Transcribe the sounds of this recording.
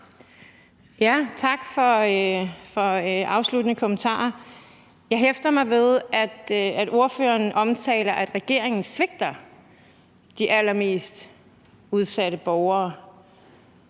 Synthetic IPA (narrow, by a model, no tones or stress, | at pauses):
jæt͡sʰɑ̈ɡ̥fɒ̽ | fɒ̽øʔɑ̈ʊslud̥ənəkʰomənt͡sʰɑ̰̈ːɐ | jɑ̈ɪɦefd̥ɐmɑ̈ɪʋe̝ðˠæd̥æd̥o̝ɐfø̰ːɐnʔɒ̽mt͡sʰɛ̰ːlɐʔæd̥ʁɛɡ̥e̝ɐe̝ŋn̩sʋe̝ɡ̥̚d̥ɐ | d̥iʔælɐme̝̰ːsd̥ | uð̞ˠsæɾ̥əb̥ɒʊɐː